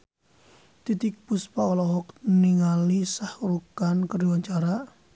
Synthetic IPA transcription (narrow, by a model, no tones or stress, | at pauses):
t̪it̪ik̚puspaɔlɔhɔk̚niŋalisahɾukankəriwaɲt͡ʃaɾa